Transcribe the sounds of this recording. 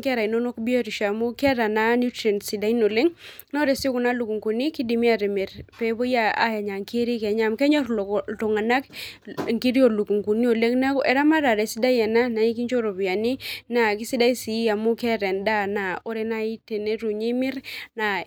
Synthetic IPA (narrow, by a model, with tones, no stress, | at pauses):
kɛ˦ɾa˨i˨no˦no˦kbi˦a˦ɾi˨ʃa˨mu˦kɛ˦ɾa˨na˦nu˦tɾe˨nsi˨da˨˦i˦no˨le˦ŋ | na˦ɾe˨si˦ku˨na˦lu˨ku˨ŋku˨ni˦ki˦di˨mi˦a˨ɾi˨mɪ˨ɾpe˨˦bo˦ja˦a̰˦ja˨ɲa˨ŋke˦ɾi˦kɛ˨ɲa˦mkɛ˦ɲɔ˦ɾtɔ˨ŋa˨na˦kŋki˦ɾi˦o˨lu˨ku˨ŋku˨ni˦o˨le˦ŋna˦ɛ˨ɾa˦ma˦ɾa˨ɾɛ˨si˦da˦jɛ˨na˦na˨i˦ki˦ɲt͡ʃo˦ɾo˨bi˨a˨ni˦na˨ki˦si˦da˦i˦si˨˦a˨mu˦kɛ˦ɾɛ˨nda˦˨na˨o˦ɾe˦na˦i˦te˨ne˦ɾu˨ɲi˦mɪ˦ɾna˨